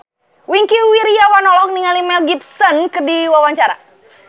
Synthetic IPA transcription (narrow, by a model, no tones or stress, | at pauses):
wiŋkiuwiɾijawanɔlɔk̚niŋalimɛlɡip̚sənkɨrdiwawaɲt͡ʃaɾa̰